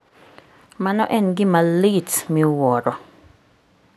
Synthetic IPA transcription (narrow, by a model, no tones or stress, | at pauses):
manɔʔɛnɡɪmalitmiwɔɾɔ